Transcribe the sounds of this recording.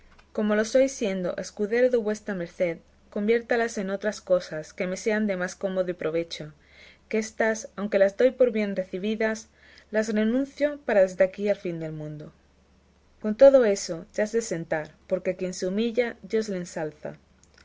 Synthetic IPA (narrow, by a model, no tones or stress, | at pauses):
ko̞mo̞lo̞so̞jsje̞nd̪o̞̰ʔe̞skuðe̞ɾoðeβwe̞st̪ɾame̞ɾθe̞ð | ko̞mbje̞ɾt̪alase̞no̞t̪ɾasko̞saske̞me̞se̞and̪e̞masko̞mo̞ðoipɾo̞β̞e̞t͡ʃo | ke̞st̪asawŋke̞lazd̪o̞jpo̞ɾβje̞nre̞θiβ̞iðas | lasre̞nũn̟θjo̞paɾaðe̞zðeakialfind̪e̞lmũnd̪o | ko̞nt̪o̞ð̞o̞e̞so̞sazðese̞nt̪aɾpo̞ɾke̞kje̞nseumiʎadjo̞zleensalθa̰